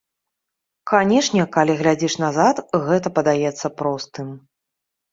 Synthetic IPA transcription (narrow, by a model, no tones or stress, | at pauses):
kanʲɛʂnʲɛkalʲiɣlʲad͡zʲiʂnazat̪ɣɛt̪ɐpɐd̪ajɛt̪sːɐpɾɔst̪ɨm